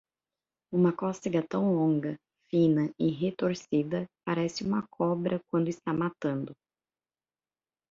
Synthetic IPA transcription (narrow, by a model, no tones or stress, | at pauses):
ũmɐkɔst̪iɡɐt̪ɐ̃w̃lõŋɡɐ | fĩnɐɪɦet̪oɾsid̪ɐpaɾɛsɪũmɐkʰɔbɾɐk̚wɐ̃nd̪ʊɪst̪amat̪ɐ̃nd̪ʊ